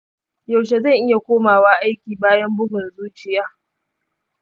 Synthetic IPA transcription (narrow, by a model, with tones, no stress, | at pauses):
ja˨wʃe˨zɐ˦˨ŋʔɪ˦ja˨kʷoː˦maː˨waː˦ʔa˦jkʲiː˨baː˦jɐ˦mbʊ˦ɡʊ˨nzuː˦t͡ʃɪ˨jaː˦